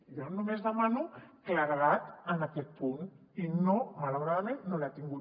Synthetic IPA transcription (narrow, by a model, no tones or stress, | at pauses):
jɔnumezðəmanukəlaɾəɣat̪ənakɛt̪̚pun | inomalawɾaðəmenːolat̪iŋɡu